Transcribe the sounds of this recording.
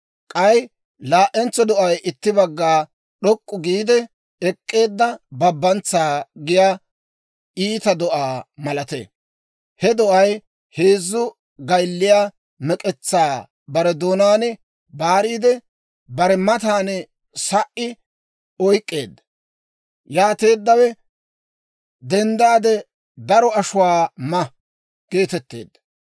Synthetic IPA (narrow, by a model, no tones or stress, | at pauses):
kʼɐj | laːʔɛnt͡sːɔd̪ɔʔɐjʔɪt̪ːɪbɐɡːaː | ɗɔkʼːʊɡiːd̪ɛ | ɛkʼːe̞ːd̪ːɐbɐbːɐnt͡saːɡɪjaː | iːt̪ɐd̪ɔʔaːmɐlɐt̪ḛ | hɛd̪ɔʔɐj | heːzːʊ | ɡɐjlːɪjaː | mɛkʼɛt͡sːaː | bɐɾɛd̪oːnaːnɛ | baːɾiːd̪ɛ | bɐɾɛmɐt̪aːnɛ | sɐʔɪ | ɔjkʼːe̞ːd̪ːɐ | jaːt̪e̞ːd̪ːɐwɛ | d̪ɛnd̪aːd̪ɛ | d̪ɐɾɔɐʃʊwaːmɐ | ɡ̥e̞ːt̪ɛt̪ːe̞̰ːd̪ːɐ